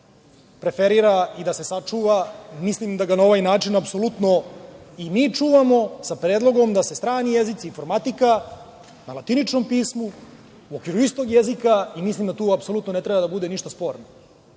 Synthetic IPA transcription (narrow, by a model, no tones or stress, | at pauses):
pɾe̞feɾiːɾaid̪ase̞sat͡ʂuːʋamislimd̪aɡanao̞ʋajnaːt͡ʃinapsolut̪no̞imiːt͡ʂuːʋamo̞sapɾeːd̪lˠo̞ɡo̞md̪ase̞st̪ɾaːnije̞zit̪siːnfo̞ɾmat̪ika | nalat̪init͡ʂnompiːsmu | uokʋiɾuist̪o̞ɡjezikaimislimd̪at̪uːapso̞lut̪no̞ne̞t̪ɾe̞bad̪abud̪e̞niʃt̪aspo̞ːɾno